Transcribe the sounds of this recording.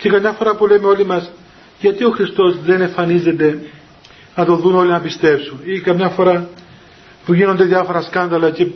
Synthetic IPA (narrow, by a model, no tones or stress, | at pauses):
ce̞kɐmɲɐfo̞ɾɐpulemeo̞limɐs | ʝɐt̪io̞xɾist̪o̞zðe̞ne̞ɱfɐnizet̪e̞ | nɐt̪o̞ðuno̞linɐpist̪e̞psunikɐmɲɐfo̞ɾɐ | puʝino̞nd̪eðjɐfo̞ɾɐskɐnd̪ɐlɐce̞